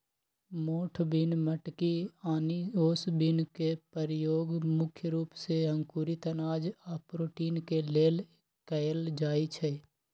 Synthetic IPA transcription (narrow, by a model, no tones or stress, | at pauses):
moːʈʰbinməʈkiaːnioːsbɪnkepəɾjoːɡmʊkʰjəɾuːpseɦə̃ŋkuːɾit̪ənaːd͡ʒapɾoːʈiːnkeleːl | kəld͡ʒaːit͡ʃʰɛ